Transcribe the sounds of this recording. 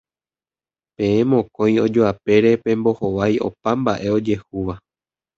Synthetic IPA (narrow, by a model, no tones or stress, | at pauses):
pẽ̞ẽmõ̞kõ̞j̃o̞d͡ʒoape̞ɾe̞pẽ̞mbo̞ho̞ʋajo̞̰pambaʔe̞o̞d͡ʒe̞huʋa